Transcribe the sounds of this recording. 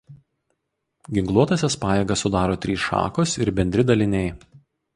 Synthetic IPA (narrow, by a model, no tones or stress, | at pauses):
ɡʲɪŋklˠuɔt̪ɐsʲɛspɑːjeːɡɐsʊd̪ɑːɾoːt̪ʲɾʲiːsʃɑ̰ːkosɪɾbʲɛnʲd̪ʲɾʲɪd̪ɐlʲɪnʲɛɪ